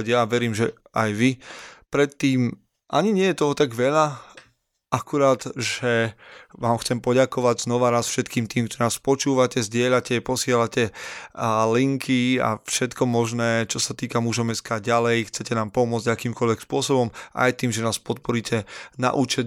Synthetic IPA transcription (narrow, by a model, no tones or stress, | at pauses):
ɟjaʋɛɾiːmʒɛ | ajʋipɾɛt̪ːiːm | ʔaɲiɲɪɛjɛt̪ɔɦɔt̪aɡʋɛʎa | ʔakuɾaːd̪ʒ̥ɛʋaːmxt͡sɛmpɔɟakɔʋaɟznɔʋanaːsfʃɛt̪kiːmt̪iːmkt̪ɔɾnaːspɔt͡ʃuːʋacɛzɟɪɛʎacɛpɔsɪɛlacɛ | liŋkʰia̰fʃɛt̪kʰɔmɔʒnɛːt͡ʃɔsat̪iːkamuʒɔmɛskaːɟalɛjxt͡sɛcɛnaːmpɔmʊɔd͡zɟakiːmkɔlʋɛkspʊɔsɔbɔmʔa̰jt̪iːmʒɛnaːspɔt̪̚pɔɾicʰɛna̰ʔuːt͡ʃɛ